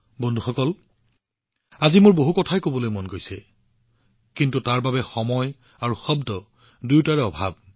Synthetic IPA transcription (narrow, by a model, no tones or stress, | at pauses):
bondʱuxɔkɔl | azimoɹboɦukɔtʰajkobɔlojmonɡojsɛ | kintutaɹbabɛxɔmɔj | aɹuxɔbdɔ | dujtaɹɛɔbʱab̚